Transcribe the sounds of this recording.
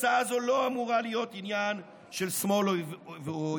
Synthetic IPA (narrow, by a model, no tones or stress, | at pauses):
t͡saazolo̞amuʁalijo̞t̪injan | ʃelsmo̞lov